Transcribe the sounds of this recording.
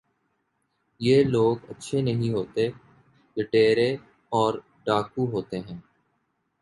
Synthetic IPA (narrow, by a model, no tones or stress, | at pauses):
jeːloːɡətːʃʰenəɦĩɦoːt̪e | ləʈeːɾe | ɔːɾ | ɖaːkuɦoːt̪eɦɛ̃ː